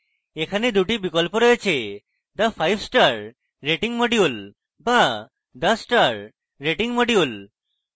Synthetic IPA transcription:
ekʰaned̪uʈibikɔlpɔɾɔjet͡ɕʰe | d̪apʰajbsʈaɾ | ɾeʈiŋmoɖiul | ba | d̪asʈaɾ | ɾeʈiŋmoɖiul

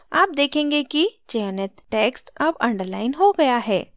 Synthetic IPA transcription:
aːp̚d̪eːkʰẽːŋɡekit͡ʃɛənət̪ʈeːksʈɐbɐ̃ɳɖəɾlaːɪnɦoɡɐjaɦɛː

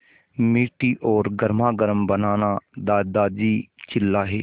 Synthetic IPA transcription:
miːʈiːʔɔːɾɡəɾmaːɡəɾəmbənaːnaːd̪aːd̪aːd͡ʒiːt͡ʃɪlːaːɦḛː

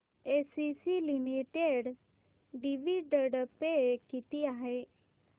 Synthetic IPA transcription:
esisilimiʈeɽ | ɖiʋiɖəɽpekit̪iaɦe

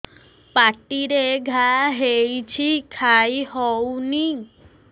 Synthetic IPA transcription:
paʈiɾeɡʱaɦejt͡ɕʰikʰajɦɔwni

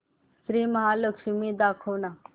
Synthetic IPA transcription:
sɾiːməɦaləkʂimiːd̪akʰowna

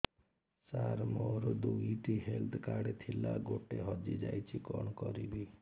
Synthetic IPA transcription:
saɾmoɾd̪uiʈiɦelt̪ʰkaɽet̪ʰilaɡoʈeɦɔd͡ʒid͡ʒajt͡ʃʰikɔɳ̃ɔkɔɾibʱi

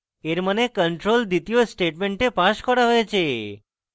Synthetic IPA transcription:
eɾmənekəɳʈɾold̪it̪ijosʈeʈmeɳʈepaʃkʰɔɽaɦɔet͡ʃʰe

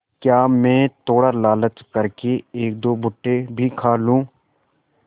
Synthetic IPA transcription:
kjaːmẽːt̪oːɽəlaːlət̪kəɾkeeːk̚d̪oːbʊʈːebʱikʰaːlũː

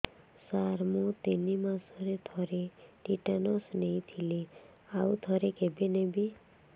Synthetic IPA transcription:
saɾmũt̪enimãsɔɾet̪ʰɔɾeʈiʈanɔsneĩt̪ʰile | aut̪ʰɔɾekebenebi

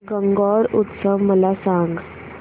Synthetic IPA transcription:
ɡəŋɡɔɾut̪səʋməlasãŋɡ

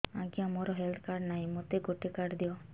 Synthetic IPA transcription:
ãɡiamoɾɔɦelt̪ʰkaɾɖnaɦĩmot̪eɡoʈikaɖd̪iɔ

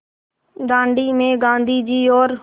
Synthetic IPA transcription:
ɡ̪ãːɳɖiːmẽːɡãːnd̪ʱiːd͡ʑiːoːɾ

